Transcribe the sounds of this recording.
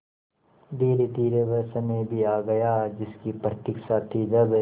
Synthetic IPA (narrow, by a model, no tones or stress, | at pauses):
d̪eːɾit̪iːɾebɐɾsɐmẽbʱiaːɡɐjaːd͡ʒɪskipɾət̪ɪkʃaːt̪ʰid͡ʒɐb